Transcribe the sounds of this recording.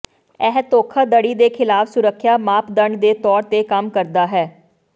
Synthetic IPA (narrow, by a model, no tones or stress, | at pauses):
ɛɦt̪oːkʰaːd̪əɽiːd̪eːkʰɪlaːfsʊɾəkʰːjaːmaːpʰd̪əɳɖd̪eːt̪ɔːɾt̪eːkəmkəɾd̪aːɦɛː